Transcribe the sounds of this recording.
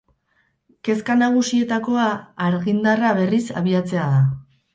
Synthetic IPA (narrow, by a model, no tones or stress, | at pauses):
ke̞skanaɣ̞usie̞t̪ako̞aːɾɣind̪araβ̞e̞risa̰βiat͡se̞að̞a